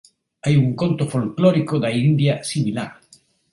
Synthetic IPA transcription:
ajuŋkont̪ofolklɔɾikod̪aind̪jasimilaɾ

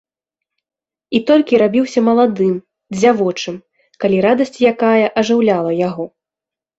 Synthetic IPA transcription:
it̪ɔlʲkʲiɾabʲiwsʲɐmɐlˠad̪ɨm | d͡zʲavɔt͡ʂɨm | kalʲiɾad̪ɐsʲt͡sʲjakajɐʔɐʐɨwlʲalˠɐjaɣɔ

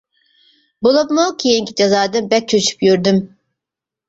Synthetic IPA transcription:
bulˠupmʊkʰijeŋkʲid͡ʒazaːd̪ɯmbɛk̚t͡ʃʰøt͡ʃʰy̥pjyɾd̪ym

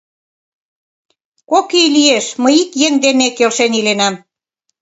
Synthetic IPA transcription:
kokijlieʃməjikjeŋd̪emekelʃenilenɑm

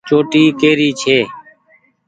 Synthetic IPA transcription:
t͡ʃoːʈiːkeːɾiːt͡ʃʰeː

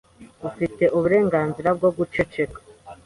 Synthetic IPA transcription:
ufite̞ʔuβuɾe̞ːŋɡaːnziɾab̚ɡo̞bɡut͡ʃe̞t͡ʃe̞kḁ

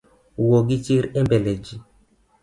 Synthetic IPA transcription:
woɡit͡ʃiɾɛmbɛlɛd͡ʒi

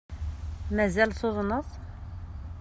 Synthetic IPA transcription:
mæzælsˤoðˤnəθˤ

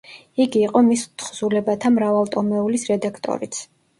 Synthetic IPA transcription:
iɡiːqʼɔmist̪ʰχzulɛbat̪ʰamɾavalˠt̪ʼɔmɛulisɾɛd̪akʰt̪ʼɔ̰ɾit̪sʰ

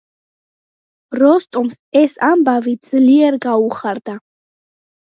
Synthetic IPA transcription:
ɾɔst̪ʼums | ɛsambavid̪z̥liɛɾɡauχaɾd̪a

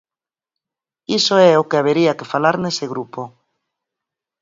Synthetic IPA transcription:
isoɛokeaβ̞eɾiakefalaɾneseɣ̞ɾupo

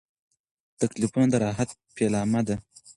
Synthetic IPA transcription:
t̪aklifunad̪əɾɑːɦat̪̚ | pelɑmad̪a

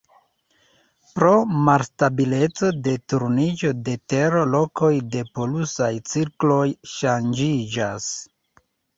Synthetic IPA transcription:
pɾo̞malstabile̞t͡so̞de̞tuɾnid͡ʒo̞de̞te̞ɾolo̞kʰo̞jde̞po̞lusajt͡siɾklo̞jʃand͡ʒid͡ʒas

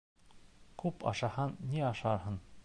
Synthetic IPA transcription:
kʰʉpɑ̰ʃɑhɑnːiɑʃɑɾɦɤn

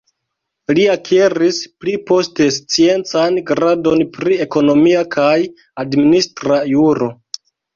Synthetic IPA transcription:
liakʰeɾisplipo̞ste̞st͡sie̞nt͡sanɡɾado̞npɾie̞ko̞no̞miakʰaj | administɾajuɾo̞

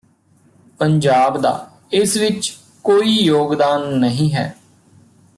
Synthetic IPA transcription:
pəɲd͡ʒaːbd̪a̰ː | ɪsʋɪt͡ʃ | koːiːjoːɡd̪aːnːəɦĩːɦɛ̰ː

